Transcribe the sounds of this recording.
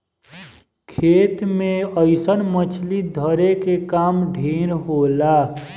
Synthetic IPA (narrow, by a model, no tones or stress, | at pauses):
kʰeːt̪mẽəɪsənmət͡ʃʰlid̪ʱəɾekekaːmɖʱeːɾɦolaː